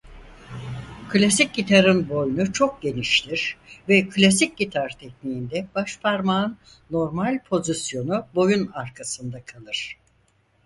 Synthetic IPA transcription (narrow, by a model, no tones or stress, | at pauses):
kʰlʲasic̚ɟit̪ʰaɾɯnbo̞junut͡ʃʰo̞k̚ɟe̞niʃt̪ʰiɾ̥vɛkʰlʲas̬ic̚ɟit̪ʰaɾt̪ʰɛçnijind̪ɛb̥aʃpʰaɾmanː | o̞ɾmalʲpʰo̞zisjo̞nubo̞junaɾkʰasɯnd̪akʰalˠɯɾ̥